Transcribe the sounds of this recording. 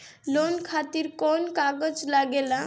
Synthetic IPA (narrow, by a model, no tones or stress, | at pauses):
lonkʰat̪iɾkɔnkaɡəd͡ʒlaɡela